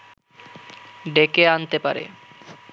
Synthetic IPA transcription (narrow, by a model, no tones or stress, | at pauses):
ɖekeant̪epa̰ɾḛ